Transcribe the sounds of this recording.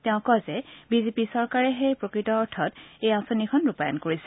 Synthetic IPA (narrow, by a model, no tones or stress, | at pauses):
tɛʊ̃kɔzɛbizepisɔɹkaɹɛɦejpɹokɹitɔːɹtʰɔtejãsonikʰɔnɹupajɔ̰nkoɹisɛ